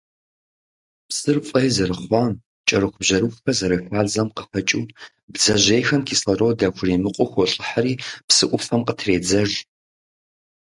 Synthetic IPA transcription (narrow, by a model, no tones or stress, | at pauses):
psɨrfʼɐjzɐɾɨχʷɑːm | t͡ʃʼɐɾɨxʷʊbʑɐɾɨxʷfɐzɐɾɐħʷaːzɐmqəfɐt͡ʃʼuː | bd͡zɐʑejxɐmkʰiːsɐrowdɐkʷʰrimɨqʷʼɔxʷoɬʼɨħaɾiːpsɨʔʷʊfɐmqətʰreːd͡zɐʒ